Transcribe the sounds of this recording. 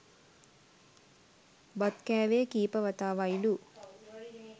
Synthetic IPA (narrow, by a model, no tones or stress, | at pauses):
bɐt̪kɛːʋeːkiːpɐʋɐt̪aːʋɐjlu